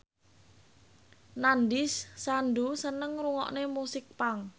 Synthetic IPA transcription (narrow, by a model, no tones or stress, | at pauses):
nandɪsːanɖusənəŋɾuŋɔ̰ʔnemusɪk̚paŋ